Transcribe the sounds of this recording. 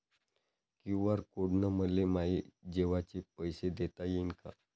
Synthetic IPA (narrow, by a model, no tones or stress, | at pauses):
kuʋaɾkoɽnəməlemaid͡ʑeʋat͡ɕepəjsed̪et̪ajenka̰